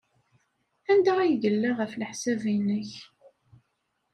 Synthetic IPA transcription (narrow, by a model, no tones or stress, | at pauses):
ænd̪aʁæjdəlːaʁəflħsævinəç